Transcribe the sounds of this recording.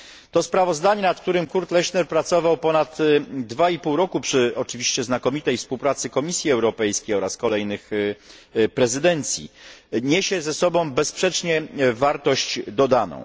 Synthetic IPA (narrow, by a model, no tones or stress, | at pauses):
t̪ɔspɾavɔzd̪aɲɛnat̪̚k̚t̪uɾɘmkuɾt̪lɛɕnɛɾpɾat̪sɔvawpɔnat̪d̪vaipuwɾɔkupʂɘɔt͡ʂɘvʲiɕt͡ɕɛznakɔmʲit̪ɛjfspuwpɾat̪sɘkɔmʲisʲjiɛwɾɔpɛjskʲejɔɾaskɔlɛjnɘx | pɾɛzɘd̪ɛnt̪sʲjḭɲeɕɛzɛsɔbɔ̃w̃bɛspʂɛt͡ʂɲɛvaɾt̪ɔɕt͡ɕd̪ɔd̪anɔ̰̃w̃